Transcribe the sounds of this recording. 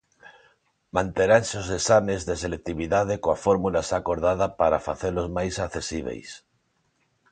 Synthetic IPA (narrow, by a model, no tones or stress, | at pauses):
mãnt̪eɾansozðesamezðeselek̚t̪iβiðað̞ekoafoɾmulasakoɾð̞að̞apaɾa̰fa̰θeɾlozmajsakθesiβ̞ḛjs